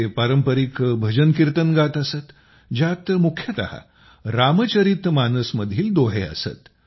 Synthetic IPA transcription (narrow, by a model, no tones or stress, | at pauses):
paɾəmpəɾikbʱəd͡ʑənkiɾt̪ənɡat̪əsət̪ | d͡ʑat̪mukʰjət̪a̰ha̰ | ɾamət͡ɕəɾit̪manəsməd̪ʱiːld̪oɦḛə̰sə̰t̪